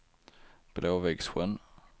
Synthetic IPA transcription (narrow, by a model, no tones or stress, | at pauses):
b̥loːvɛɡsɧən